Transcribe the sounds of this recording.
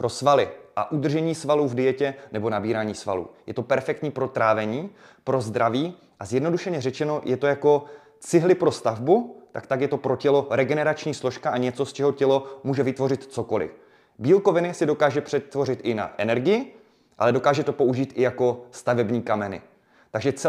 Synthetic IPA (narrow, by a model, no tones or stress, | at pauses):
pɾo̞svalɪʔa̰ʔud̪r̩ʒɛɲiːsvaluːvdɪjɛcɛnɛbo̞nabiːɾaːɲiːsva̰lṵːjɛt̪o̞pɛɾfɛk̚t̪ɲiːpɾo̞t̪ɾaːvɛɲiː | pɾo̞zd̪ɾaviː | ʔazjɛdno̞duʃɛɲɛrɛt͡ʃɛno̞jɛt̪o̞jako̞ | t͡sɪɦlɪpɾo̞st̪avbut̪a̰kt̪aɡjɛt̪o̞pɾo̞cɛlo̞ɾɛɡɛnɛɾat͡ʃɲiːslo̞ʃkaʔaɲɛt͡so̞st͡ʃɛɦo̞cɛlo̞muːʒɛvɪt̪vo̞rɪt̪t͡so̞ko̞lɪ̰ | biːlko̞vɪnɪsɪdo̞kaːʒɛpr̝̥ɛt̪ːvo̞rɪt̪ʔɪna̰ʔɛnɛɾɡɪjɪ | ʔa̰lɛdo̞kaːʒɛt̪o̞po̞uʒiːt̪ʔɪjako̞st̪avɛbɲiːkamɛnɪ̰ | t̪aɡʒɛt͡sɛ